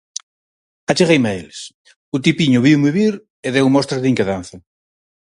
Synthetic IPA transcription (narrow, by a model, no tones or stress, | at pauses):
at͡ʃeɣejmeeles | ʊt̪ipiɲʊβiwmiβiɾ | eðewmɔst̪ɾɐðiŋkeðanθɐ